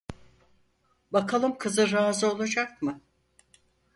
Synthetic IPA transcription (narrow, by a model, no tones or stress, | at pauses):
bakʰalˠɯmkʰɯzɯɾaːzɯo̞lˠad͡ʒak̚mɯ